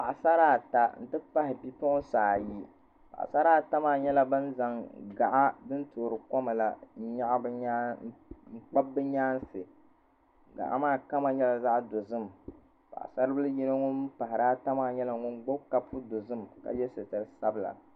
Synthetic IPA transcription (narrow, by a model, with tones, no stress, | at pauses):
pa˨ʔa˨sa˦ɾaː˦ta˦n̩˦˨tɨ˦pa˦hɪ˨bi˦tɔ˦saː˨ji˦ | pa̰˨ʔa̰˨sa˦ɾaː˦ta˦maː˦˨ɲɛ˦la˦bɨ˦n˦za˨ŋɡa˨ʔa˦dɨ˦ntoː˨ɾɨ˨kɔ˦ma˨la˨n̩˦ɲa˦ʔa˦bɨ˦ɲa˦ŋ͡m̩˨k͡pa˦bːɨ˦ɲaː˦n˦sɨ˨ | ɡa̰˨ʔa̰˦maː˦ka˦ma˦ɲɛ˦la˨za˦ʔdo˨zɨ˦˨m | pa̰˨ʔa̰˨sa˦ɾɨ˦bɨ˦lɨ˦ji˦nɨ˦ŋʊ˦n˦pa˨ɦɪ˨ɾaː˦ta˦maː˦˨ɲɛ˦la˨ŋʊ˦nɡ͡bo˦b̚ka˦pʰu˦do˨zɨ˦˨mka̰˨jɛ˦sɨ˨tɨ˨ɾɨ˨sa˦bɨ˨la̰˨